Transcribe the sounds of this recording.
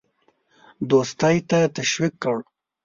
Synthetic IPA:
d̪ost̪ajt̪at̪aʃwikːəɽ

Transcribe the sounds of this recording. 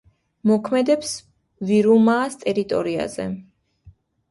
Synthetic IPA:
mɔkʰmɛd̪ɛps | viɾumaːst̪ʼɛɾit̪ʼɔ̰ɾia̰zɛ̰

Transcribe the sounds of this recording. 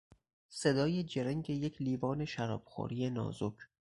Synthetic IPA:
se̞d̪ɒːjed͡ʒeɾeŋɟe̞jecʰliːvɒːne̞ʃæɾɒ̰ːb̥xo̰ːɾije̞nɒ̰ːzokʰ

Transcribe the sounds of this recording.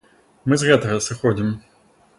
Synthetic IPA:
mɨzɣɛt̪ɐɣɐsɨxɔd͡zʲim

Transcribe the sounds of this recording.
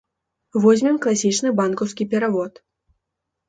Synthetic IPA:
vɔzʲmʲimklˠasʲit͡ʂnɨbankɐwskʲipʲɛɾavɔt̪

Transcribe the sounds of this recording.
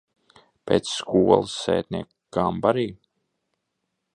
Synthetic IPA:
pʲeːt̪sskuɔlˠɨsːɛ̰ːt̪̚ʲnʲiɛk | ɡ̥ambaɾiː

